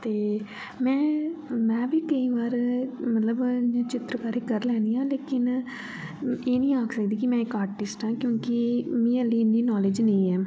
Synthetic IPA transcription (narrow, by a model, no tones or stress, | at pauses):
t̪eː | mɛ̃ːmɛ̃ːʋiːkəiːʋaːɾmət̪ləbãːt͡ʃɪt̪ɾəkaːɾiːkəɾlɛ̃ːnd̪ijãːleːkɪn | eːnĩːaːkʰsəkd̪iːkimɛ̃ːɪkaːɾʈɪsʈãːkjõːkimĩːəlːiːndiːnɔːleːd͡ʒneĩːɛː